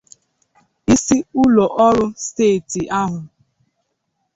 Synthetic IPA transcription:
i˦si˦ʊ˦lo˨ʔɔ˦ɾʊ˦steː˦˨ti˨a˦ɦʊ˨

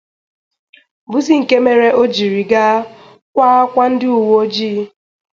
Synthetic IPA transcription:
bʊ˦zi˦ŋ̩˨ke˦me˨ɾe˦ʔo˦d͡ʒi˨ɾi˨ɡa˦ | kʷa˦a˦kʷa˦n̩˦dɪ˦u˨wo˦d͡ʒiː˦

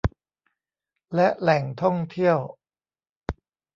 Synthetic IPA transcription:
lɛ˦˥ʔlɛ˨˩ŋt̪ʰɔ˥˩ŋt̪ʰi˥˩əw

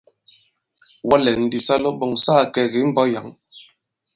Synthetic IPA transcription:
wa˦lɛ˨n̩˨˦di˨sa˦lo˦bɔ˨ŋsaː˦˨kɛ˨ɣi˨˦m̩˦bɔ˦ja˨˦ŋ

